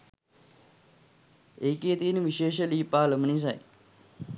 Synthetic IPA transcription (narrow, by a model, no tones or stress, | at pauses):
eːkeːt̪iːniʋiʃeːʃəliːpaːləmənis̬aj